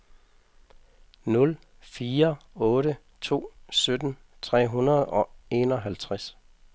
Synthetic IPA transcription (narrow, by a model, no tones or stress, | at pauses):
nɔ̽l | fiːɐɔ̽ːɾə | t͡sʰo̝̰ːsød̥n̩ | t͡sʰʁɛ̰ːɦunɐðˠɒ̽e̝ːnɒ̽ɦælt͡sʰʁas